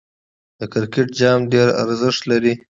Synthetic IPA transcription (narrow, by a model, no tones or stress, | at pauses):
d̪̥əkɪɾkeʈ̚d͡ʒɑmɖeɾa̰ɾzɪʂt̪laɾi